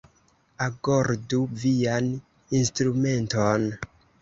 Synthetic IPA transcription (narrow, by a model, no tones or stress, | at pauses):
akoɾduvian | instɾume̞nton